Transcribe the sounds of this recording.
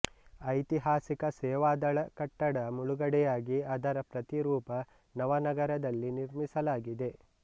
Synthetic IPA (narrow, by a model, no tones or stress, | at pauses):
ɐjt̪iɦaːsikɐsɛːʋaːd̪ɐɭɐkɐʈːɐɽɐmuɭuɡɐɽɛjaːɡiɐd̪ɐɾɐpɾɐt̪iɾuːpɐ | nɐʋɐnɐɡɐɾɐd̪ɐlːiniɾmisɐlaːɡid̪e̞